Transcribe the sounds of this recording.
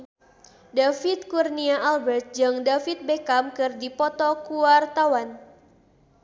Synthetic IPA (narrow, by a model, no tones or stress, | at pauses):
dafit̪̚kurniaʔalbɛrt̪̚d͡ʒaŋdafit̪̚bekamkɨrdipɔt̪ɔkuwart̪awan